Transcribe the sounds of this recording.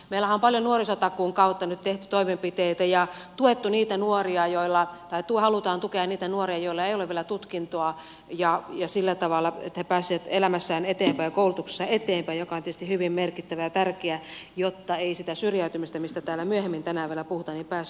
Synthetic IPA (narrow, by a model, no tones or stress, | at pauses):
meilːæhæompɑljonuorisot̪ɑkuːŋkɑut̪ːɑnyt̪t̪eht̪y̥t̪oimempit̪eit̪æjɑ | t̪uet̪ːuniːt̪ænuoriɑjoilːɑt̪ɑit̪uohɑlut̪ɑːnt̪ukeɑnniːt̪ænuoriɑjoilːɑeioleʋielæt̪ut̪kint̪oɑ | jɑjɑsilːæt̪ɑʋɑlːˑɑḛt̪ːhepæːsˑiʋæt̪elæmæsːæːnet̪eːmpæikoulut̪ukse̥sːɑet̪eːmpæijokɑont̪ietsest̪ihyʋimmerkit̪ːæʋæjɑt̪ærkeæjot̪ːɑeisit̪æsyrjæyt̪ymist̪æmist̪æt̪æːlːæmyøhemːint̪ænæːʋielæpuhut̪ɑːnimpæːs